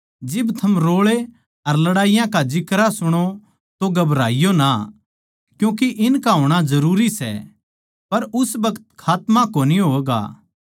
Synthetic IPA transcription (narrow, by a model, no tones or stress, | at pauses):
d͡ʒɪbt̪ʰɐmɾoːɭe | ɐɾlɐɽaːijãkad͡ʒɪkɾasʊɽ̃o | t̪oɡɐbɾaːijona | kjũːk̬iʔɪnkaɦoːɽ̃azɐɾuːɾisɛ̰ | pɐɾʊsbɐkə̥t̪kʰaːt̪mãkoːniɦoːɡa̰ː